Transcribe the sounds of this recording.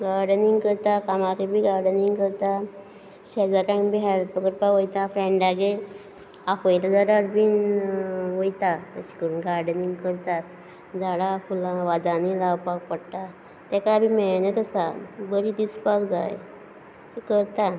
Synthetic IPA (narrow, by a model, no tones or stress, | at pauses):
ɡaɾɖəniŋɡkəɾt̪akamakebʱiːɡaɾɖəniŋɡkəɾt̪a | ɕɛd͡zakãŋbiɦalpəɡəɾpaʋəjt̪afɾɛ̃ɳɖaɡe | afəjlad͡zaɽaɾbin | ʋojt̪at̪əɕi̥kəɾuːnɡaɾɖəniŋɡkəɾt̪at̪̚ | d͡zaɽafulãʋad͡zanilawpak̚pəɽt̪a | t̪ɛkabʱiːmɛnət̪əsabəɾiːd̪it͡spakd͡za̰j | kikəɾt̪a